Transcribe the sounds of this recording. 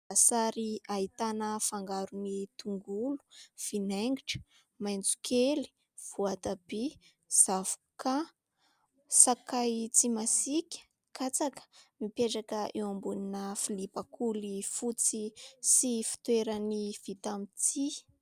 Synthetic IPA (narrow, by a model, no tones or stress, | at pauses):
asaɾiaɦit̪anəfaŋɡaɾunit̪uŋɡulu̥v̥ineŋɡiʈ͡ʂə̥ | majnd͡zu̥kʰeli̥ | v̥uat̪abe | z̥avuka | sakajt͡simasikʲə̥ | kʰat͡sakə̥mipeʈ͡ʂakəʔewambuninəfilipakulifut͡sisifi̥t̪weɾəniv̥it̪amit͡si